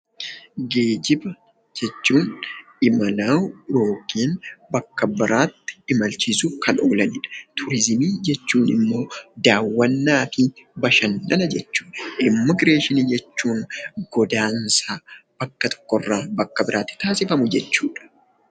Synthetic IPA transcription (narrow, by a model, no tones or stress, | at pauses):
ɡe̞ːd͡ʒɪbɐ | d͡ʒɛt͡ʃːuːnʔɪmɐlaːwɾo̞ːkiːnbɐkːɐbɪɾʔaːt̪ːɪ̥ɪmɐlt͡ʃɪsʊkʰɐno̞ːlɐnɪᶑɐ̥t̪ʰʊɾɪzɪmiːd͡ʒɛt͡ʃːuːnɪmːo̞ːd̪aːwːɐnːaːfɪbɐʃɐnːɐnɐd͡ʒɛt͡ʃːu̥ːᶑɐʔɪmːɐɡɪɾe̞ːʃɪniːd͡ʒɛt͡ʃːuːŋɡɔd̪aːnsaːb̥ɐkːɐt̪ʰɔ̥kːɔrːaːbɐkːɐbɪɾʔaːt̪ːɪ̥t̪aːsɪfɐmʊd͡ʒɛt͡ʃːuːᶑɐ̥